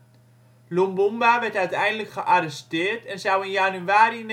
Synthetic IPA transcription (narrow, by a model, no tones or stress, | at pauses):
lumbumbaʋɛrtœɥtɛjndələkχəʔarəstɪːrtɛnsawənjanyaːɾin